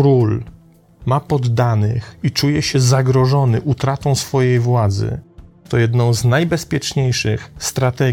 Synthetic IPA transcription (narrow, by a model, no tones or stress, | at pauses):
ɾul | mapɔd̪ːanɘ̰xit͡ʂujɛɕɛzaɡɾɔʐɔnɘʔut̪ɾat̪ɔ̃w̃sfɔjejvwad̪zɘ̰t̪ɔjɛd̪nɔ̃w̃znajbɛspʲjɛt͡ʂɲejʂɘxst̪ɾat̪ɛɡ